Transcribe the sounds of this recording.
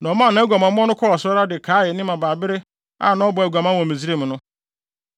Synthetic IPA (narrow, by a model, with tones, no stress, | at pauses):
nã˨ɔ˨mãː˦˨nã˦æ˦ɡʷa˨mã˨m˦ɔ̃˦nʊ̃˦kʰɔ˦ɔ˨sʊ˦ɔ˦ɾa˦dɪ˨kʰaː˨˦jɛ˨˦nɪ̃˦mã˨baː˨bɪ˦ɾɪ˦ | a̰˦˨nã˦ɔ˦bɔ˨ɛ˨ɡʷa˨mã˦wɔ̃˨mi˨zi˦ɾe˦˨m˨nʊ̃˦